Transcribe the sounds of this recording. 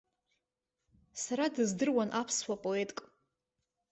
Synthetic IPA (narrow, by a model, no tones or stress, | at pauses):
saɾadɨzdɨrwanʔapʰswapʼo̞e̞tʼkʼ